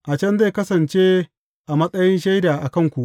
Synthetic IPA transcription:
ʔa˨t͡ʃɐ˦nza˦˨jkɐ˦sɐ˨nt͡ʃeː˦ | ʔa˨mɐ˦sʼɐ˦jɪ˦nʃa˦jdaː˨ʔa˨kɐ˦˨ŋkʷu˨ʔ

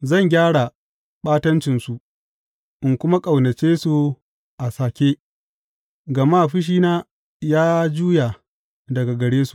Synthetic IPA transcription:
zɐ˦˨ŋɡʲaː˦ɽa˨ | ɓaː˦tɐ˦nt͡ʃɪ˨nsu˨ | ʔɪ˨ŋkʷʊ˦ma˦kʼɐ˨wnɐ˨t͡ʃeː˦su˨ | ʔa˨saː˨kʲeː˦ | ɡɐ˨ma˦˨ɸɪ˦ʃ̬iː˦naː˦ | jaː˦d͡ʒuː˦ja˨ | dɐ˨ɡa˨ɡɐ˨ɽeː˦su̥˨ʔ

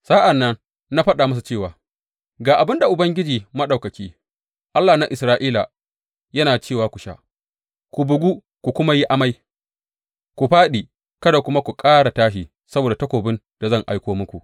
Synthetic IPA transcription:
sa˦ʔa˨nːɐ˦ŋ | na˦ɸɐ˦ɗaː˨mɐ˦s̬u˨t͡ʃeː˦˨waː˨ | ɡaː˨ʔa˨bɪ˦nda˨ʔʊ˨bɐ˦ŋɡʲɪ˦d͡ʒiː˨mɐ˦ɗa˨kɐ˨kʲiː˦ | ʔa˦lːa˨na˦ʔɪ˨sɾaː˦ʔiː˦la˨ | jɐ˦naː˨t͡ʃeː˦˨waː˨kʷu˨ʃa̰˦ | kʷu˨bʊ˨ɡʷu˦ | kʷu˨kʷʊ˦ma˦ji˦ʔa˦ma˦j | kʷu˨ɸaː˦ɗiː˨ | kɐ˦da˨kʷʊ˦ma˦kʷu˨kʼaː˦ɽa˨taː˦ʃiː˨ | sɐ˦boː˨da˨tɐ˦kʷoː˨bɪ˦n | d̥a˨zɐ˦˨ŋʔa˦jkʷoː˦mʊ˦kʷṵ˨ʔ

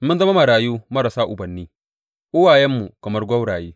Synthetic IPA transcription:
mʊ˦nzɐ˦ma˦ma˨ɽaː˨juː˦mɐ˦ɽa˨saː˦ʔʊ˨bɐ˨nːiː˦ | ʔʊ˦waː˨jɛ˦mːu˨kɐ˨mɐ˦rɡʷɐ˦wɽaː˨jeː˦

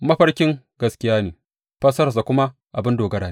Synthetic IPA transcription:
mɐ˦ɸɐ˦ɽkʲɪ˦ŋ | ɡɐ˨skʲɪ˦jaː˦neː˨ | ɸɐ˦sɐ˦ɾɐ˨s̬a˨kʷʊ˦ma˦ | ʔa˨bɪ˦ndoː˨ɡɐ˦ɽaː˨ne˦

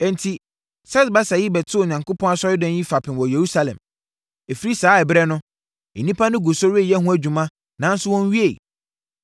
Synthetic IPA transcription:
ɛ̃˨ntʰi˨ | sɛ˦sba˦sa˨jɪ˦bɛ˨tʰɪ˦ʊ˨ɲã˨ŋko˦pʰɔ̃˦na˦sɔ˦ɾɪ˦dɛ̃˦n˦ji˦fa˨pʰɪ̃˨nwɔ˨je˨ɾu˦sa˦lɛ̰̃˨m | e˨fi˨ɾi˦saː˨˦ɛ˨bɪ˦ɾɛ˦nʊ̃˦ | ɛ̰˨nĩ˦pʰa˦nʊ̃˦ɡu˨sɔ˦ɾe˦˨jɛ˦ɦũ˦æ˨d͡ʑᶣũ˨mã˦ | nã˨˦n̩˦sʊ˦wɔ̃˦n˦ɥi˦e˦˨

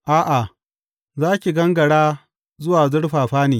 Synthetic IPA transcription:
ʔaː˦ʔa˨ | zaː˦kʲi˨ɡɐ˦ŋɡɐ˨ɽaː˦ | zʊ˦waː˨zʊ˦ɽɸaː˨ɸaː˦neː˨

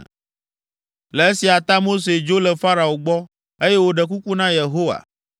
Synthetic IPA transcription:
le˨e˦si˨a˨t̪a˦mo˦s̬e˨d͡ʒo˦lɛ˨fa˦ɾa˨o˨ɡ͡bɔ˦ | e˦je˦wo˦ɖɛ˨k̬u˦ku˦nã˦je˨ɦo˦wa̰˨

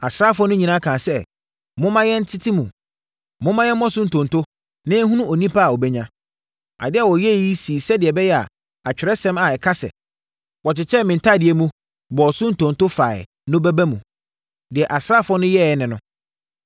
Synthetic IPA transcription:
a˨sɾa˦˨fʊ˦ɔ˦nʊ̃˦ɲĩ˨nã˦kʰãː˨sɛ˦ | mʊ̃˦mã˦jɛ˦n̩˦tʰɪ˦tʰi˦mũ˨ | mʊ̃˦mã˦jɛ˦mɔ̃˦sʊ˦n̩˨tʰʊ̃˨ntʰʊ˦ | nɪ̃˦ɦũ˦nũ˦o˨nĩ˦pʰa˦a˨ɔ˨bɛ˦ɲã˦ | a̰˨dɪ˦a˨wɔ˨jɛ˦˨ji˦siː˨sɛ˦dɪ˨ɛ˨bɛ˦jɛ˦a̰˨ | a˨t͡ɕᶣɪ˨ɾɛ˦sɛ̃˦ma˨ɛ˨kʰa˦sɛ̰˨ | wɔ˨t͡ɕɪ˨t͡ɕʰɛ˦mɪ̃˨n̩˨tʰa˦˨dɪ˨ɛ˨mũ˦ | bɔ˨sʊ̃˦n̩˨tʰõ˨n˨tʊ˦fa˨ɪ̰˨ | nʊ̃˦bæ˦bæ˦mũ˨ | dɪ˨ɛ˨ʔa˨sɾa˦fʊ˦ɔ˦nʊ̃˦jɛ˦˨ɛ˦nɪ̃˨nʊ̃˦

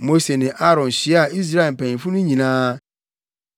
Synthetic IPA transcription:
mo˦se˨nɪ̃˨ʔa˦ɾɔ̃˨n˨si˨˦a˦˨i˦z̬ɾa˦e˨m̩˨pɛ̃˨ĩ˨fu˦nĩ˦ɲĩ˨nã˦

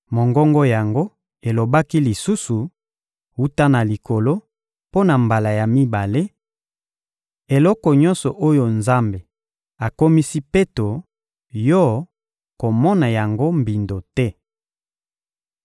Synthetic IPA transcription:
mo˨ŋɡɔ˦ŋɡɔ˦ja˨ŋɡo˦ | e˨lo˨ba˦ki˦li˨su˦su˨ | u˦ta˦na˨li˨ko˨lo˦ | po˦na˨mba˨la˨ja˨mi˦ba˨le˦ | e˨lɔ˦kɔ˨ɲɔ̃˦nsɔ˨ʔo˦jo˨nza˦mbe˨ | a˨ko˦mi˦si˦pe˦to˨ | jɔ˦ | ko˨mɔ˦na˨ja˨ŋɡo˦mbi˨ndo˨tɛ˦

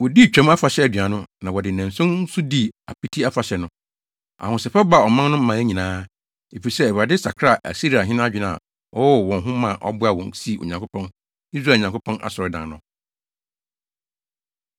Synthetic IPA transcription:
wɔ˨di˦˨t͡ɕᶣɛ̃˦ma˦fa˨ɕɛ˦æ˨dɥa˨nʊ̃˦nã˨wɔ˨dɪ˨næ̃˨n̩˨sʊ̃˦n̩˦sʊ˦di˦˨a̰˨pi˦tʰi˦a˦fa˨ɕɛ˨nʊ̃˦ | a̰˨hʊ̃˨sɛ˨fɛ˦ba˨ɔ˨mã˦n˦nʊ̃˦m̩˦mã˨˦æ˦ɲĩ˨nãː˦ | e˨fi˨sɛ˦ɛ˨ɾa˨dɪ˦sa̰˨kʰɾa˨ʔæ̰˨si˦ɾi˨a˨ɦɪ̃˦nʊ̃˦a˦d͡ʑᶣɪ˨nã˨a̰˨ | ɔ˦wɔ˨wɔ̃˨ɦʊ̃˦mã˨ʔɔ̰˦bʊ˦a˨wɔ̃˨˦si˦˨o̰˨ɲã˨ŋkʰʊ˦pʰɔ̃˦n | i˦s̬ɾa˦˨ɲã˨kʰʊ˦pʰɔ̃˦nʔa̰˨sɔ˨ɾɪ˦dã˨nnʊ̃˦

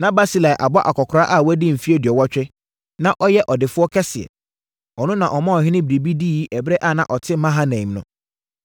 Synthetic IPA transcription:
nã˦ba˦si˦la˨ʔa˨bɔ˦ʔa̰˨kʰɔ˨kʰʊ˨ɾa˦ʔa˦˨wɔ˦dɪ˦m̩˨fi˦e˦dɪ˨ɔ˨wɔ˦t͡ɕᶣɛ˦ | nã˦ʔɔ˦jɛ˦ʔɔ˨dɪ˨fʊ˦ɔ˦kʰɛ˦sɪ˨ɛ̰˨ | ɔ˨nʊ̃˦nã˨ʔɔ˨mã˦ɔ˨ɦɪ̃˦nɪ̃˦bɪ˨ɾi˨bi˦diː˦˨˦ʔɛ˨bɾɛ˦ʔa˦˨nã̰˨ʔɔ˨tʰɪ˦mã˦ɦa˦nɛ̃˨mnʊ̃˦

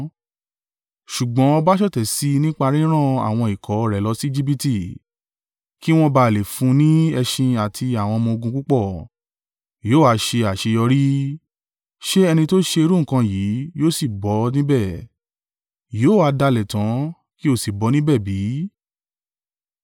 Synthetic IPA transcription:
ʃu˨ɡ͡bɔ̃˨˦ɔ˧ba˦ʃɔ˦tɛ˨si˨˦nĩ˦k͡pa˧ɾĩ˦ɾ̃ã˦˨a̰˨w̃ɔ̃˧i˨kɔ˨˦˨ɾɛ˨˦lɔ˨˦si˦d͡ʒi˦b̬i˦ti˦˨ | ki˦w̃ɔ̃˧ba˧˦˨le˨fũ˨˦nĩ˦ɛ˧ʃĩ˧a˨tʰi˧a˨w̃ɔ̃˧mɔ̃˧o˧ɡũ˧ku˦k͡pɔ˦˨ | joː˦˨a˨˧ʃe˧a˨ʃe˧jɔ˧ɾi˦ | ʃe˦ɛ˧nĩ˧to˦ʃe˧e˧ɾu˦ŋ̩˨kã˧jiː˨˦joː˦si˦˨bɔ˨˦nĩ˦bɛ˦˨ | joː˦˨a˧da˧lɛ˨tã˨˦ | ki˦o˦˨si˨bɔ˨˦nĩ˦bɛ˦˨bi˨˦

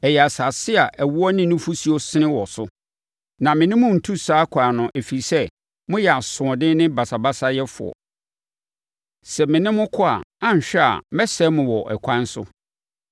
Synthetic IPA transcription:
ɛ˨jɛ˨a˨sa˨sɪ˦a˨ʔæ˨wu˦ɔ˦nɪ̃˦nʊ̃˦fu˦si˦o˦sɪ˦ɪ̃˦wɔ˨sʊ˦ | nã˨mɪ̃˨nɪ̃˦mʊ̃˦n̩˨tʰu˦saː˦kʰaː˨nʊ̃˨ʔe˨fi˨sɛ˦ | mʊ̃˦jɛ˨a˨sʊ̃˨ɔ˨dɪ̃˦nɪ̃˦ba˨sa˨ba˦sa˦jɛ˦fʊ̰˨ɔ̰˨ | sɛ˨mɪ̃˨nɪ̃˦mʊ̃˦kʰʊ˦a̰˨ã˦n˨ɕᶣɛ˦a̰˨mɛ˦sɛ˦mʊ̃˨wɔ˨ʔɛ̰˨kʷʰã˦n˦sʊ̰˦

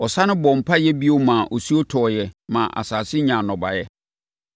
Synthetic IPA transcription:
ɔ˨sa˦nɪ̃˦bɔ̃˨m˨pʰa˦jɛ˦bi˦o˦mãː˨ʔɔ˨su˦o˦tʰɔː˨jɛ˨mã˨ʔa̰˨saː˨sɪ˦ɲã˨nɔ̃˨ba̰˨jɛ˦

